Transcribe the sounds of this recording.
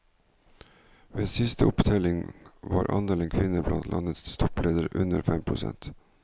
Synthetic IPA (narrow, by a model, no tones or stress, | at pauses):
ʋeːsɪst̪əʊpd̪ʰeːlɪŋʋɑːɾʔɑ̰nd̪eːlənkʰʋɪnəblɑnt̪lʔɑnət̪sst̪ʰɔpleːd̪əɾʔʉnəɾfɛmpʰɾʊsɛ̰nt̪